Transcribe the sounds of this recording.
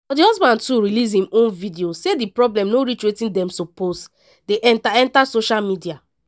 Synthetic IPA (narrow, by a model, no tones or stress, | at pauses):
fɔdihɔsbãntuɹilis̬hĩmõnvidiosedipɹɔblɛ̃mnoɹit͡ʃwetĩndɛ̃msopost | deʔɛ̃ntaɛ̃ntasoʃalmidia